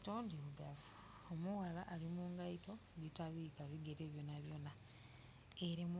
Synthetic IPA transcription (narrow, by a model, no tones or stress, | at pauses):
to̞ːndiβuɡavu | omuwalaʔːlimuːŋɡaito̞ | ɡitaβikaβiɡeɾeβjo̞naβjo̞na | eɾem